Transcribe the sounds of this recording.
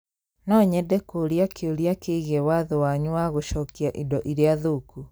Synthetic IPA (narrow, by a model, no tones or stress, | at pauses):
nɔɲɛdɛkoɾiakʰeoɾiakeɣɛwaðowaɲuaɣoʃɔkiaʔḭdɔʔiɾeaðoku